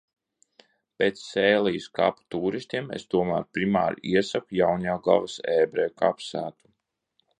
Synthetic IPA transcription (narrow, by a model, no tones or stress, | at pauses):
pʲet̪sːɛːlˠijskapt̪uːɾisʲt̪ʲiɛmḛst̪uɔma̰ːɾpɾima̰ːɾiɛsakujawɲaːɡˠa̰vasɛːbɾɛka̰psæ̰ːt̪u̥